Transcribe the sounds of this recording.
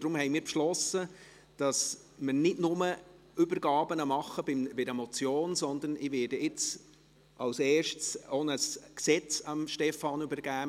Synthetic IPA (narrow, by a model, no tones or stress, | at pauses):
d̥ɾʊmhɛɪmiːɾpʃlɔsə | d̥ɑs | məɾnɪdnʊmə | ybəɾɡ̥ɑːbənɑmɑχəbɪmbɪdemɔt͡sjoːnsɔnd̪ənɪʋɪːdəɪt͡s | ʔɑwsɛːʃtsonəsksɛt͡sɑmʃtɛfɑːnybəɾɡ̥æː